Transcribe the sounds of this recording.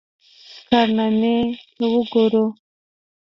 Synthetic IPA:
kaɾnanewuɡoɾo

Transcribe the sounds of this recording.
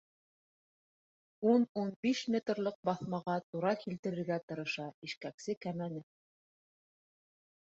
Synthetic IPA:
ununbiʃmʲet̪rlˠɤq̚bɑθmɑʁɑt̪uɾɑkilt̪ɘ̆ɾɘ̆ɾɡæt̪ɤ̆ɾɤ̆ʃɑiʃkæksɘkæmænɘ

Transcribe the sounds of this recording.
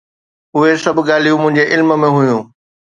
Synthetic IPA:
ʊɦesɐbʱʊɠaːlijũmʊ̃ɦɪ̃ɲd͡ʑeʔɪlmə̆mẽɦʊjũː

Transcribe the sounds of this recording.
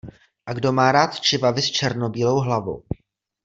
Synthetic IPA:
ʔaɡdo̞maːɾaːt̪t͡ʃɪvavɪst͡ʃɛɾno̞biːlo̞wɦlavo̞̰w

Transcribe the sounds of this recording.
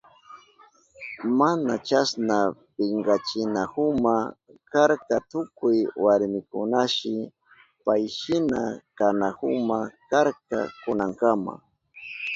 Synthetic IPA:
manat͡ʃasnapɪŋɢat͡ʃɪnahʊmakaɾkat̪ʊkʊjwaɾmɪkʊnaʃɪ | pajʃɪnakanahʊmakaɾka̰kʊnaŋkama̰

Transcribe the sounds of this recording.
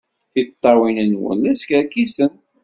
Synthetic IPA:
θit̪ˤːɑwinənwə̰næskækːisən

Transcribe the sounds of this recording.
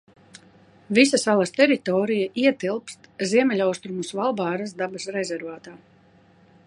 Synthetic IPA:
visasalˠɐst̪ɛɾit̪ɔːɾijaʔiɛt̪ilˠpst̪ziɛmʲɛlʲawst̪ɾumusvalˠbaːɾasd̪abɐsɾɛzʲɛɾvaːt̪aː

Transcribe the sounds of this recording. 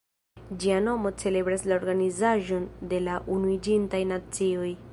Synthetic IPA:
d͡ʒiano̞mo̞t͡se̞le̞bɾaslao̞ɾɡanizaʒo̞nde̞laʔunuid͡ʒintajnat͡sio̞j

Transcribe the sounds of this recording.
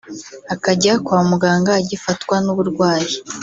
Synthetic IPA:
akaɟaakwaːmuɡaːŋɡaːɟifatwanuβuɾɡwaːji

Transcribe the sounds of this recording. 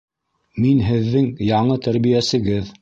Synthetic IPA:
minɦɘ̆ðːɘŋjɑɴɤt̪æɾβijæsɘ̆ɡɘð

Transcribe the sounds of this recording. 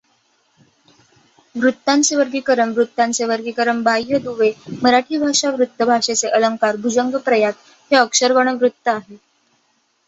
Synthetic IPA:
ʋɾut̪ːãnt͡seʋəɾɡikəɾəmʋɾut̪ːãnt͡seʋəɾɡikəɾəmbʱajːəd̪uʋeməɾaʈʰiːbʱaʂaʋɾut̪ːəbʱaʂet͡seʔələŋkaɾbʱud͡zəŋɡəpɾəjat̪̚ | ɦeəkʂəɾʋəɽ̃əʋɾut̪ːəaɦe

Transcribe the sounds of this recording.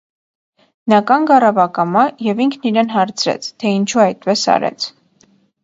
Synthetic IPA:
nɑkɑŋɡɑrɑvɑkɑmɑjɛviŋkʰniɾɛnɦɑɾt͡sʰɾɛ̰t͡sʰt̪ʰɛint͡ʃʰuɑjt̪̚pɛsɑ̰ɾɛ̰t͡sʰ

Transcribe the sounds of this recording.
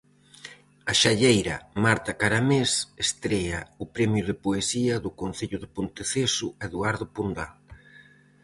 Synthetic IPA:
ɐʃaʎejɾɐ̰maɾt̪ɐkaɾamesest̪ɾɛɐʊpɾɛmjʊðɪpoesiɐðʊkon̟θeʎʊðepont̪eθesʊaeðuaɾðʊpund̪al

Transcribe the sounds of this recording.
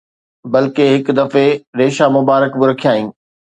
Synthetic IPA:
bɐlkeɦɪkd̪ɐfeɾeːʃamʊbaːɾəkbɪɾɐkʰijaːĩː

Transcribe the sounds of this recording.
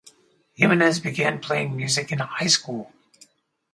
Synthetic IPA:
hʉmɨnɨzbɨɡæ̃npʰl̥eɪɪ̃ŋmjʉzɨkɨ̃nhaɪskulˠ

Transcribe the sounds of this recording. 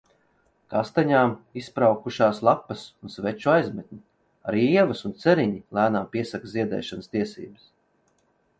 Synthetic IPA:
kast̪aɲaːmispɾawkuʃaːslˠapːɐsunsvɛt͡ʃuajzmɛt̪̚ʲnʲi | a̰ɾiɛvɐsunt̪sɛɾiɲilˠæːnaːmpʲiɛsakzʲiɛd̪ɛ̰ːʃanəst̪iɛsḭːbəs

